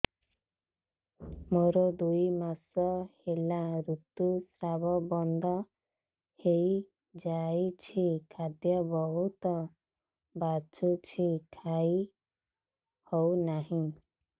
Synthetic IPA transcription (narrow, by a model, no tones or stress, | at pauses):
moɾod̪ujmasɔhelaɾut̪usɾabɔbɔnd̪ʱɔ | hej | d͡ʒajt͡ʃʰikʰad̪jɔbɔɦut̪ɔ | bat͡ʃut͡ʃʰikʰaj | hownaɦĩ